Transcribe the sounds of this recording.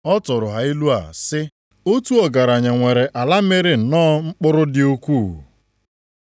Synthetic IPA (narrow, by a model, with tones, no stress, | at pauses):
ɔ˦tʊ˨ɾʊ˨ɦa˨i˦lu˦a̰˨sɪ˦ | o˦tu˦ɔ˨ɡa˨ɾa˨ɲa˨ŋʷe˨ɾe˨ʔa˨la˦me˦ɾɪ˨n̩˨nɔː˦ŋ͡m̩˦k͡pʊ˦ɾʊ˦dɪ˨o˦kʷuː˦˨wṵ˨